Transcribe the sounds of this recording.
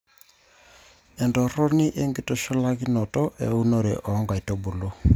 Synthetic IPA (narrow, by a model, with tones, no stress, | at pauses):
ɛ˨ndɔ˨ɾɔ˦ni˦ʔe˦ŋɡi˨tɔ˦ʃɔ˦la˦ki˦nɔ˨tɔ˦ʔɛ̰˨u˦no˦ɾḛ˨ʔɔ˨˦ŋɡa˨i˨to˦bo˨lo˦